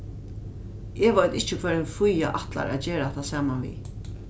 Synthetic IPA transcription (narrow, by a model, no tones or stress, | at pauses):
eʋɔjt̪ɪht͡ʃɪkʰvœɾɪnfʊja̰ʔat̪la̰ɾʔa̰t̪d͡ʒeːɾat̪ʰasaːmanʋḭ